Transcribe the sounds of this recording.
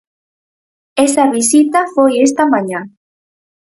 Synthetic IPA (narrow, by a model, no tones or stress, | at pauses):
esaβisit̪afojest̪amãɲã